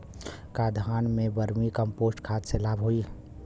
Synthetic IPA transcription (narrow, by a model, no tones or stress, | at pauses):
kad̪ʱaːnmẽbəɾmikəmpoːsʈkʰaːt̪selaːbɦoi